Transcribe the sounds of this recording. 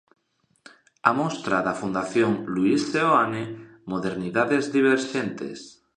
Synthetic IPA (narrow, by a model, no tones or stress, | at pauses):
amɔst̪ɾaðafund̪aθjoŋluiseoane | moðeɾniðaðezðiβ̞eɾʃent̪ḛs